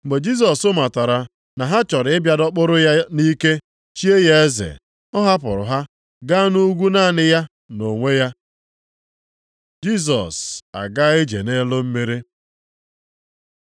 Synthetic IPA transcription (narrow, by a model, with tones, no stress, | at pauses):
ɡ͡be˨d͡ʒi˦s̬ɔ˨sʊ˦ma˨ta˨ɾa˨ | na˨ɦa˦t͡ʃɔ˨ɾɪ˨ɪ˦bja˨dɔ˦k͡pʊ˦ɾʊ˦ja˦ni˦ke˦ | t͡ʃi˦e˦je˦e˦zḛ˨ | ɔ˦ɦa˦p̬ʊ˨ɾʊ̰˨ɦa˦ | ɡa˦nu˦ɡʷu˦naː˦˨nɪ˦ja˦ | no˨ŋʷe˦ja˦ | d͡ʒi˦s̬ɔ̰˨sa̰˨ɡa˦ɪ˦d͡ʒḛ˨ne˦lʊ˦m̩˦me˦ɾi˦